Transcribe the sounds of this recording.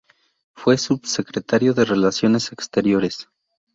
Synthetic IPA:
fwe̞subse̞kɾe̞t̪aɾjo̞ðe̞re̞lasjo̞ne̞sekst̪e̞ɾjo̞ɾe̞s

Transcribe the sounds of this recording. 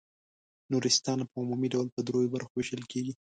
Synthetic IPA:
nuɾɪst̪ɑnapəumumiɖawlpəd̪ɾojobaɾxowɪʃəlkeɡi

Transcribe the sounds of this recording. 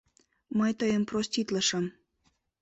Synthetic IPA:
mɤjt̪əjəmprosʲt̪ʲit̪ləʃə̆m

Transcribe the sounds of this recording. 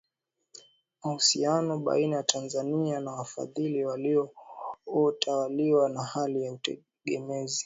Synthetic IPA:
mahusianɔɓa̰inajatʰanzanianawafa̰ðiliwaliɔ | ɔtʰawaliwanahalijautɛ̰ | ɠɛmɛzi

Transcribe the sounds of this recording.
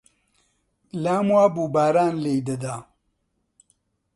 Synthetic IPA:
laːmwaːbuːbaːɾaːnlejd̪ɐd̪aː

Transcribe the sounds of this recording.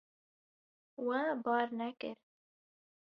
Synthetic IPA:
wabɑːɾnɛkɨɾ

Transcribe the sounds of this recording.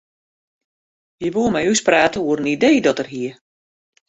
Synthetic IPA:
jəʋoəmɛjyspraːtəuəɾənidejdɔtərɦiə

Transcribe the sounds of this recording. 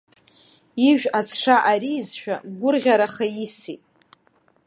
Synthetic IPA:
iʒᶣasʰʂaʔaɾiːzʃᶣaɡʷʊrʁʲaɾaχajisitʼ

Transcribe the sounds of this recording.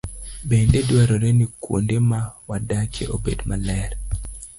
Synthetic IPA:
bendedwaɾoɾenikwo̰ndemawadakeʔobedmalɛr

